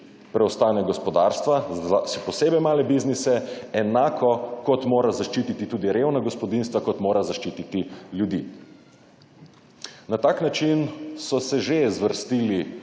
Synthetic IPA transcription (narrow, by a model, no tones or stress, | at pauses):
pɾɛɔst̪aːnɛɡɔspɔd̪aɾst̪ʋazasɛpɔseːbɛjmaːlɛbiznisɛɛnaːkʰɔkɔt̪moːɾazaʃt͡ʃiːt̪it̪it̪uːd̪iɾewnaɡɔspɔd̪inst̪ʋakɔt̪moːɾazaʃt͡ʃiːt̪it̪iljud̪ḭː | nat̪aːknat͡ʃinsɔsɛʒezʋəɾst̪iːli